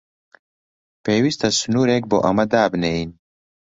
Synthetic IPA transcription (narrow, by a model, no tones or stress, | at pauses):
peːwist̪ɐsunuːɾeːk̚bo̰ʔɐmɐd̪aːbnein